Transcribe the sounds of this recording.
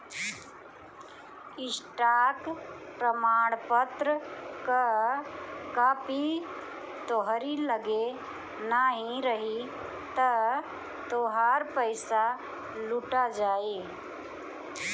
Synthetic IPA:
ɪsʈaːk | pɾəmaːɽ̃pət̪ɾəkə | kaːpi | t̪oɦɾiləɡe | naɦĩɾəɦi | t̪ə | t̪oːɦaːɾpəɪsa | luʈad͡ʒaːi

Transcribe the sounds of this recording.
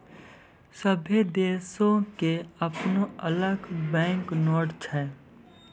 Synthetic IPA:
səbʱed̪eːsõkeɐpnoɐləɡbɛ̃ːŋknɔːʈt͡ʃʰɛː

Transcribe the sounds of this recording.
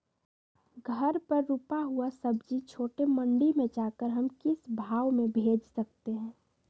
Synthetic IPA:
ɡʱəɾpəɾːupaɦuasəbd͡ʒit͡ʃʰoːʈemə̃ɳɖimẽd͡ʒaːkəɾɦɐmkɪsbʱaːʋmẽbʱeːd͡ʒsək̚t̪eɦɛ̃ː

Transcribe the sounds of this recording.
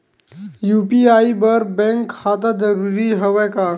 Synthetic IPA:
juːpiaːibɐɾbɛ̃ŋkːaːt̪̬ad͡zɐɾuːɾiɦɐʋɛkaː

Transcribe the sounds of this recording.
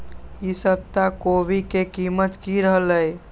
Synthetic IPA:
isəb̚t̪akoβikekimət̪kiɾəɦələj

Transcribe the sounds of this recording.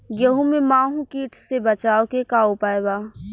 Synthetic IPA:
ɡjɐɦũmẽmãːɦũkiːʈʰsebət͡ʃaːokekaːopaːebaː

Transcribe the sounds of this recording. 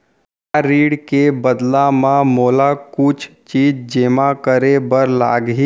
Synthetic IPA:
ɾiːɽkebəd̪lamãmoːlakʊt͡ʃʰt͡ʃiːd͡ʒd͡ʒeːmakəɾebəɾla̰ːɡɦi

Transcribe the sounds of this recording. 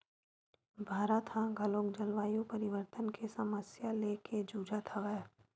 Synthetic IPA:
bʱaːɾat̪ɦãɡʱəlõːkd͡ʒəlʋaːjõpəɾɪʋəɾt̪ənkʰesɐməsjaleːkʰed͡ʒuːd͡ʒat̪ʰaʋɛ

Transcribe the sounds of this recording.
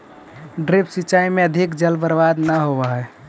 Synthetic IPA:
ɖɾepsit͡ʃaimeəd̪ʱikd͡ʒəlbəɾbad̪nəɦobəɦɛ

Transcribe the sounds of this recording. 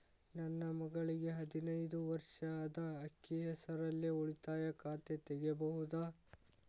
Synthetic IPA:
nɐnːɐmɐɡɐɭiɡe̞ɦɐd̪inɐjd̪uʋɐɾʂad̪ɐːkːiɦɛsɐɾɐlːioɭit̪aːjɐkaːt̪et̪ɛɡebɐɦud̪a

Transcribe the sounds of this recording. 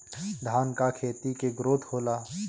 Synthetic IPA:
d̪ʱaːnkakʰeːt̪ikeɡɾoːt̪hoːlaː

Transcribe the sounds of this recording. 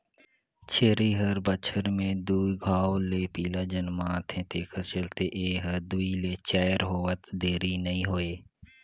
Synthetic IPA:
t͡ʃʰeːɾiːɦəɾbət͡ʃʰəɾmẽd̪uːiɡʱaːoleːpiːlaːd͡ʒənmãːt̪ʰẽːt̪eːkəɾt͡ʃəlt̪eːʔeːɦəd̪uiːleːt͡ʃaːjəɾɦoːət̪d̪eːɾiːnəĩːɦoːeː

